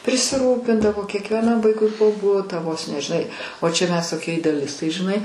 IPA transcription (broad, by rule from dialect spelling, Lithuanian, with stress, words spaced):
pʲrʲɪsʲɪˈruːpʲɪndɐʋoː kʲiɛkʋʲiɛˈnɐm ˈʋɐɪkʊɪ poː ˈbʊtɑː ʋoːs nʲɛ ʒʲɪˈnɐɪ oː t͡ʃʲɛ mʲɛs toːˈkʲiɛ ɪdʲɛɐˈlʲɪstɐɪ ʒʲɪˈnɐɪ